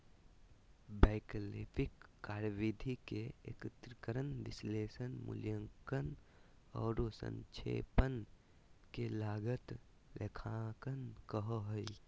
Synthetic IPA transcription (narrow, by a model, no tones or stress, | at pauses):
baɪklipʰɪkːaːɾʋid̪ʱikeḛkɪt̪ɾəkəɾənʋɪsleːsənmʊ̰ljəŋkən | ɔːɾosə̰̃nt͡ʃʰḛːpən | kelaːɡət̪ | lekʰãkənkəɦoɦi